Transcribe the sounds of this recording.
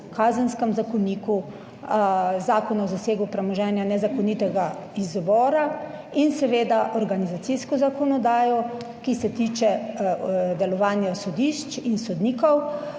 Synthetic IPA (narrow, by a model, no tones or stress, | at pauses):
kaːzənskɛmzakɔniːku | zaːkɔnazaseːɡupɾɛmɔʒɛːnjanɛzakɔnit̪ɛɡaizbɔːɾa | insɛʋeːd̪aʔɔɾɡanizat̪siskɔzakɔnɔd̪aːjɔ | kisɛt̪iːt͡ʃɛ | d̪ɛlɔʋaːnjasɔd̪iʃt͡ʃinsɔd̪niːkɔw